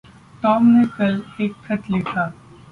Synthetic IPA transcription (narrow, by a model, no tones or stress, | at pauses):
ʈɔːmnekɐleːk̚tʰɐʈlɪkʰaː